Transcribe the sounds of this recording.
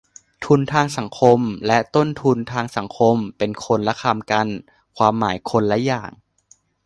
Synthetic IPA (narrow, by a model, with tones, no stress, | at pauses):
t̪ʰu˧nt̪ʰaː˧ŋsa˩˦ŋkʰo˧mlɛ˦˥t̪o˥˩nt̪ʰu˧nt̪ʰaː˧ŋsa˩˦ŋkʰo˧mpe˧nkʰo˧nlɛ˦˥kʰa˧mka˧n | kʰwaː˧mːaː˩˦jkʰo˧nlɛ˦˥jaː˨˩ŋ